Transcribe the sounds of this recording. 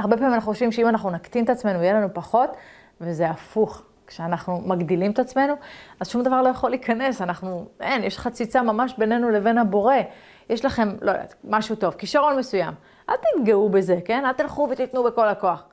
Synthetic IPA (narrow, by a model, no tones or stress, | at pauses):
aʁbe̞pamimanaχnuχoʃvimʃeimanaχnunakt̪imet̪at͡sme̞nuijelanupaχo̞t̪ | veze̞afuχ | kʃeanaχnumaɡd̪ilimet̪at͡sme̞nuazʃumd̪avaʁlo̞jaχo̞liːkane̞sanaχnuenjeʃχat͡sit͡samamaʃbe̞ne̞nule̞ve̞nhabo̞ʁe̞ | jeʃlaχe̞mlʔojda̰maʃut̪o̞vkiʃaʁo̞nme̞sujam | ʔalt̪it̪ɡeube̞ze̞ke̞nalt̪ilχuvet̪it̪nube̞ko̞lako̞aχ